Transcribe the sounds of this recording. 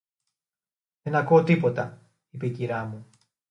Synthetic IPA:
ðe̞nɐkuot̪ipo̞t̪ɐ | ipeiciɾɐmu

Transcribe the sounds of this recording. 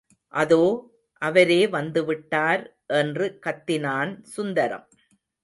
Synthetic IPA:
ʔɐðoː | ʔɐʋɐɾeːʋɐnd̪ɯʋɪʈːaːɾ | ʔɛndrɯkɐt̪ːɪnaːnsʊnd̪ɐɾɐ̰m

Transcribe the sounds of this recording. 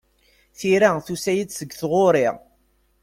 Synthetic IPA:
θiɾæθusæjəd̪səɡθʁoɾɪʁ

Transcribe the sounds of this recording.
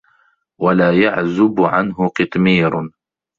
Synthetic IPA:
walaːjaʕzʊbʕanɦʊqɨt̪ˤmiːɾ

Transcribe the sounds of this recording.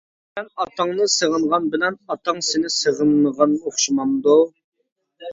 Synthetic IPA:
ɛnɑt̪ʰɑŋnɨsəʁənʁɑnbɪlɛnɑt̪ʰɑŋsɪnɪsəʁənʁɑnoχʃɨmɑmd̪u

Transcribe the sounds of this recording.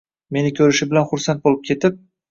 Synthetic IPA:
me̞nɪkʲʰɵɾɪʃɪbɪlanχʊɾsant̪̚bolˠɪp̚kʲʰe̞t̪ɪp̚

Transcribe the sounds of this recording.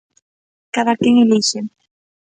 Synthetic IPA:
kaðakeŋeliʃe

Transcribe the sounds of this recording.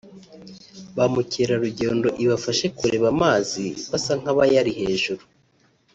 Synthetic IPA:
βamuceɾaɾuɟe̞ːndo̞ʔiβafaʃe̞kuɾe̞βamaːziβasaŋ̥haβajaɾiɦe̞ːʒuɾu

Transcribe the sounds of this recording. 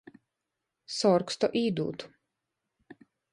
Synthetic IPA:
sɔɾkst̪ɔʔiːd̪ṵːt̪u̥

